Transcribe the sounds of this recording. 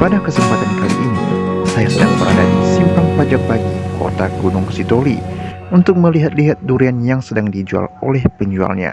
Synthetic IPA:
padakəsəmpat̪ankalḭʔːnḭsajasədaŋbəɾadat̪isimpaŋpad͡ʒak̚baɡiko̰t̪aɡunʊŋsit̪oli | unt̪ʊk̚məliɦat̪̚liɦat̪̚duɾianjaŋsədaŋdid͡ʒua̰lolɛhpəɲd͡ʒua̰lɲa̰

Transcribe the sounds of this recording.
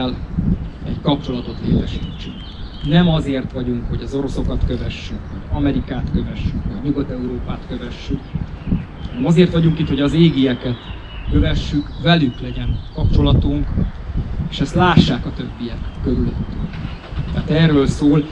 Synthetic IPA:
l | ɛɟkɒp̚t͡ʃo̞lɒt̪o̞t̪leːt̪ɛʃiːt͡ʃːy̰k | nɛmɒzeːrt̪ʋɒɟuŋkho̞ɟɒzo̞ɾo̞so̞kɒt̪kø̞vɛʃːykhoɟɒmɛɾikaːt̪kø̞vɛʃːykʋɒɲuɡɒt̪ɛuɾoːpaːt̪køvɛʃːyk | nɛmɒzeːrt̪ʋɒɟuŋkit̪ho̞ɟɒzeːɡiɛkɛt̪ | kø̞vɛʃːykvɛlyklɛɟɛnkɒpt͡ʃo̞lɒt̪uŋk | eːʃɛst̪laːʃːaːkɒt̪ø̞bːijɛkːøɾyløt̪ːyŋt̪a̰ːt̪ɛːrːøːlsoːl

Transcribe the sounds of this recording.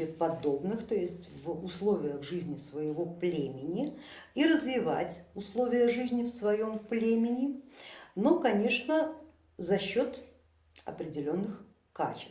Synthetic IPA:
ɪt̪pɐd̪o̞bnɨxt̪ojɪsʲtʲvʊslˠo̞vʲɪjəɣʐɨzʲnʲɪsvəjɪvo̞plʲemʲɪnʲɪ | iɾəzvʲɪva̰tʲʊslˠo̞vʲɪjəʐɨzʲnʲɪfsvɐjo̞mplʲemʲɪnʲɪnokɐnʲe̞ʂnə | zɐɕːo̞t̪ | ɐ̰pɾʲɪdʲɪlʲo̞nːɨx | ka̰t͡ɕɪ

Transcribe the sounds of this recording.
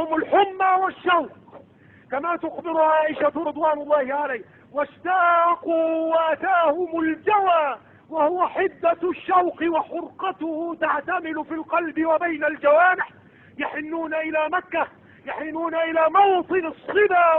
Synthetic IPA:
ʊmʊlħʊmːawaʃːawq̚ | kamaːt̪ʊxbɪɾʊʕaːʔɪʃaɾɨd̪ˤwaːnʊlˤːɑːhɪʕalaː | waʃt̪aːquːwaʔat̪aːhʊmʊld͡ʒawaː | wahʊwaħɪd̪ːaʃːawqɪwaħʊɾqɑt̪ʊhʊt̪aʕt̪amɪlʊfilqɑlbɪwabajnald͡ʒawaːnɪħ | jaħɪnːuːnaʔɪlaːmakːa | jaħɪnuːnaʔɪlaːmɑwt̪ˤɨnɑsˤːɨbaː

